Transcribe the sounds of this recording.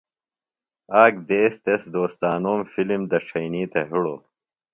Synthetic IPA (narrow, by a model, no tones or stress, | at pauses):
aːk̚d̪eːst̪esd̪oːst̪aːnoːmfilimd̪ɐʂʰɐjniːt̪eɦiɽo̰ː